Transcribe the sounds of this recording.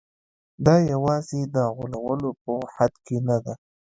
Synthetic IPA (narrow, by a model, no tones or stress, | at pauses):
d̪ɑjawɑzed̪əɣʊlawəlop̚əhad̪kenad̪a